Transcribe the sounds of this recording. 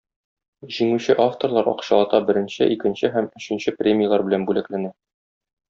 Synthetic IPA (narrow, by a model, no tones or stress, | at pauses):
ʑiŋʉɕɘʔaft̪orlˠɑɾɒ̰qɕɑlˠɑt̪ɑbɘ̆ɾɘ̆nɕɘ̰ʔikɘ̆nɕɘɦæmɵ̆ɕɘ̆nɕɘprʲemʲijalˠɑɾbɘ̆lænbʉlæklænæ